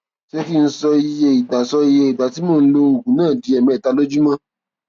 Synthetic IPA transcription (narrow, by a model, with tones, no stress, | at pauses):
ʃe˦ki˦˧n̩˦sɔ˧i˧je˧i˨ɡ͡ba˨sɔ˧i˧je˧i˨ba˨ti˨˦mõ˦˨n̩˦lo˧o˨ɡũ˨nãː˦˨di˨˧˦ɛ˨mĩ˨ta˧lo˦d͡ʒu˦mã˦